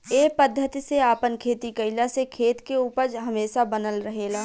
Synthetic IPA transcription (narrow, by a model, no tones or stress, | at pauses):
eːpəd̪ʱːət̪iseaːpənkʰeːt̪ikəɪlasekʰeːt̪keuːpəɾd͡ʒɦɐmeːʃabənəlɾəɦeːɡaː